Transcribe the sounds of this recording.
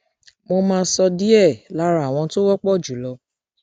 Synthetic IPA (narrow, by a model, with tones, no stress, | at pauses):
mo˧mãː˧sɔ˧di˦ɛ˦˨la˨˦ɾa˦˨w̃ɔ̃˧to˦wɔ˦k͡pɔ˦˨d͡ʒu˨˦lɔ˧˦